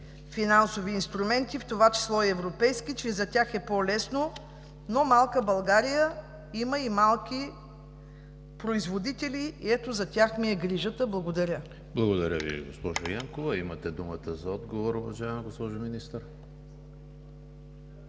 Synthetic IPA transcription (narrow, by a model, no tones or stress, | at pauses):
finansoviːnst̪ɾumɛnt̪ift̪ovat͡ʃi̥slˠɔɛːvɾopɛjskit͡ʃɛzɐt̪ʲaxɛpɔlɛsno | nomalˠkəbɐlˠɡaɾijə | iməimalˠkʲi | pɾoizvod̪it̪ɛliːɛt̪ozɐt̪ʲaxmiɛɡɾiʒət̪əblˠɐɡod̪ɐɾʲə | blˠɐɡod̪ɐɾʲə̰vḭɡospɔʒojaŋkovɐimət̪ɛd̪umət̪əzɐɔd̪ɡovoɾovɐʒaɛmɡospɔʒominist̪əɾ